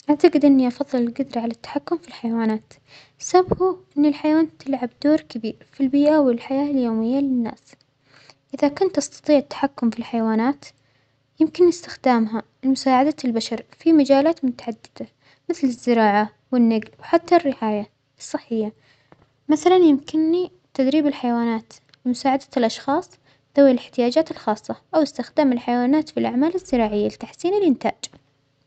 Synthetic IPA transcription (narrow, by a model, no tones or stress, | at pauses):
ʔaʕt̪aqɪd̪ʔɪnːiʔɑfɑðˤːɨlɪlɡʊd̪ɾʕalat̪ːḁħakːʊmfilħajawaːnaːt̪ | sabhuʔɪnːɪlħajawaːnt̪ɪlʕab̚d̪̥oːɾkabiːɾfilbiːʔawɪlħajaːljoːmɪjːalɪnːa̰ːs | ʔɪðakʊnt̪ʔɑst̪ɑ̥t̪ˤiːʕɪt̪ːḁħakːʊmfilħajwaːnaːt̪ | jɪmkɪnːɪst̪ɪxd̪aːmɦa | lmʊsaːʕad̪albaʃɑɾˤfimad͡ʒaːlaːt̪mʊt̪ḁʕad̪ːɪd̪̥a | mɪθlɪzːɪɾɑːʕa | wɪnːaɡlwħat̪ːarːɪʕaːja | ʔɨsˤːɨħːɪjːa | maθalanjɪmkɪnːi | t̪ad̪ɾiːbɪlħajwaːnaːt̪ | lɪmʊsaːʕad̪ḁlʔɑʃxɑːsˤ | ð̥awlɪħt̪ɪjaːd͡ʒaːt̪ɪlxɑːsˤːɑʔawɪst̪ɪxd̪aːmɪlħajawaːnaːt̪filʔaʕmaːlɪzːɪɾɑːʕɪjːalɪt̪aħsiːnɪlʔɪnt̪aːd͡ʒ